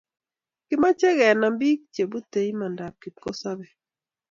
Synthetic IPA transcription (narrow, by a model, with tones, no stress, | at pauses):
kɪ˦ma˦t͡ʃɛ˦ɣɛ˨na˨mbi˦k̚t͡ʃje˨bu˦t̪e˨ɲ˦ma˨nda˨kːi˨t̚ko˦sa˦bɛ˨